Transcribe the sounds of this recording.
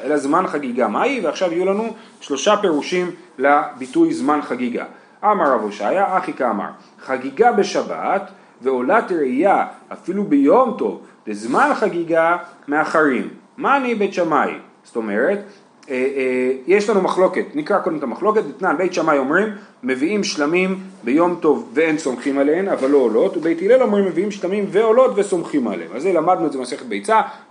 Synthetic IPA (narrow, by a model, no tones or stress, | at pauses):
ʔelazmanχaɡiɡamaiveaχʃavijulanu | ʃlo̞ʃape̞ʁuʃimlabitujzmanχaɡiɡa̰ | ʔamaʁavoʃa̰jaaχikaːma̰ʁ | χaɡiɡabe̞ʃaba̰t | ve̞o̞latʁejaafilubejo̞mto̞vdezmanχaɡiɡameaχaʁimːanibe̞jtʃamaj̰ | sto̞me̞ʁe̞t | ejeʃlanumaχlo̞ke̞tnikʁako̞d̪emet̪amaχlo̞ke̞t̚bet̪nanbe̞jtʃamajo̞mʁimːe̞viimʃlamimbejo̞mto̞vveenso̞mχimaleemavalːo̞olo̞tubejtilelo̞mʁimːeviimʃlamimveo̞lo̞tveso̞mχima̰lḛḛmazːelamadnuedzemase̞χet̚bejt͡sa